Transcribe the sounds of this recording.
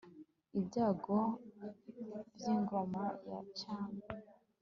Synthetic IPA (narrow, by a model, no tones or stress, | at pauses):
ibɟaːɡo | bjiːŋɡo̞maja̰t͡ʃaːme